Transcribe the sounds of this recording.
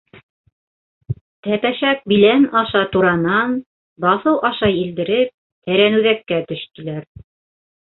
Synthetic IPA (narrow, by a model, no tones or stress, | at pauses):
t̪æpæʃæk̚bilænɑʃɑt̪uɾɑnɑn | bɑθɤwʔɑʃɑjild̪ɘ̆ɾɘp̚ | t̪æɾænʉðækːæt̪ɵ̆ʃk̪ĭlæɾ